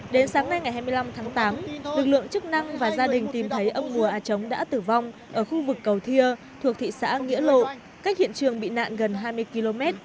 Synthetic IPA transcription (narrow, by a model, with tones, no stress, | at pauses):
ɗe˨˦nsaː˨˦ŋna˧jŋa˨˩jɦaː˧jmɨ˧jla˧mt̪ʰaː˨˦ŋt̪aː˨˦mlɨ˨˩k̚lɨ̰˧˨əŋt͡ɕɨ˦˥k̚na˧ŋvaː˨˩zaː˧ɗï˨˩ŋ̟t̪i˨˩mt̪ʰə˨˦jʔə˧mmu˨˩əʔaː˨˩t͡ɕə˨˦wŋ͡mɗa̰ː˧˥t̪ɨ˨˩va˧wŋ͡mʔəː˧˩xu˧vɨ˨˩kːə˨˩wt̪ʰi˧ə | t̪ʰu˨˩ək̚t̪ʰḭ˧˨sa̰ː˧˥ŋḭ˧˥əlo̰˧˨ | ka˦˥k̟̚hḭ˧˨ənt͡ɕɨ˨˩əŋɓḭ˧˨na̰ː˧˨nɣə˨˩nɦaː˧jmɨ˧əjki˧lo˧mɛ˦˥t̚